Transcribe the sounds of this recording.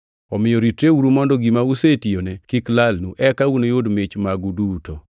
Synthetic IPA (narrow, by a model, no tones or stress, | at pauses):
ɔmɪjɔɾitɾeuɾumɔndɔɡimausetijonekiklalnuʔɛkaunojodmet͡ʃmaɡudutɔ